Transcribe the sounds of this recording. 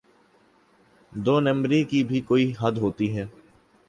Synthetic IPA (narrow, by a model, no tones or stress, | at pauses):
d̪oːnɐ̃mbɾikibʱikoːiɦɐd̪ɦoːt̪iɦɛː